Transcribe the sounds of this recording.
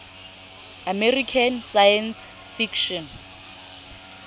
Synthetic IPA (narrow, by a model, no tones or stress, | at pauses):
amerikʰansajɛns | fikʰʃɔn